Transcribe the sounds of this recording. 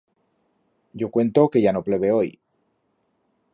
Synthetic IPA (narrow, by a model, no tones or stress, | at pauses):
ɟ͡ʝo̞kwe̞nt̪o̞ke̞ʝano̞ple̞βeo̞j